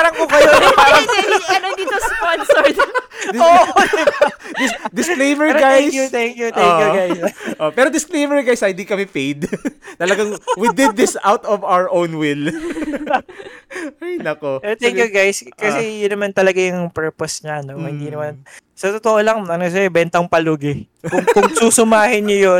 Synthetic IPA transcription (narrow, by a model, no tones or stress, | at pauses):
aɾɐŋkokɐoɐɛŋɐnod̪iːt̪osponsoɹt̪od̪ɪbd̪ɪsd̪ɪsklejmɛɹiɡajsjut̪ɛŋkjuʔ̪oŋːjuɡajsʔopɛːɾod̪ɪsklejmɛɹiɡajsɐjɪnd̪ikɐmɛfejd̪t̪ɐlɐɡaŋwid̪ɪd̪̚ːɪsawt̪ɔvawəʔõwnwɪl | inɐkoɛɾot̪ɛŋkjuɡajskɐsɛjʊnːɐmant̪ɐlɐɡajʊŋpɛɹposɲɐnomhɪnd̪iːnɐmansɐt̪ot̪oʔolɐŋɐnos̬ɛɛbɛnt̪ɐŋpɐluɡɪ | kʊŋkʊŋsusʊmaːhɪnʊjo